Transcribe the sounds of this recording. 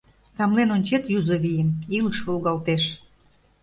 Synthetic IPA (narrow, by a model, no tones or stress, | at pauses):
t̪ɑmlenonʲt͡ɕet̪juzəβijəmiləʃβolˠɣɑlt̪eʃ